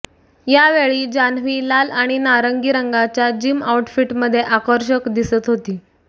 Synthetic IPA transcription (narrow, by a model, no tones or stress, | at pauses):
jaʋeɭiːd͡ʑanʋiːlalaɽ̃inaɾəŋɡiːɾəŋɡat͡ɕjad͡ʑiːmauʈfiʈməd̪ʱːjeʔakəɾɕəkd̪isət̪ɦot̪iː